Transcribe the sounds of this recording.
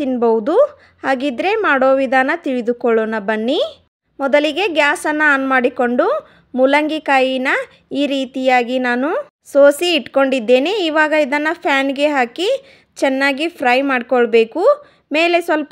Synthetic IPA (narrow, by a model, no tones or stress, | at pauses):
inbɐwud̪u | haːɡid̪ɾe̞maːɽo̞ːʋid̪ʱaːnɐt̪iɭid̪ukɔɭoːnɐbɐnːi | mɔd̪ɐliɡe̞ɡjaːsɐnːɐːnmaːɽiko̞ɳɖu | mulɐŋɡikaːjinɐ | iːɾiːt̪ijaːɡinaːnu | soːsiːʈko̞ɳɖid̪ːe̞ːneiːʋaːɡɐid̪ɐnːɐpʰjaːnɡe̞ɦaːki | t͡ʃɛnːaːɡipʰɾɐjmaːɖikɔɭbeːku | me̞ːlesʋɐlp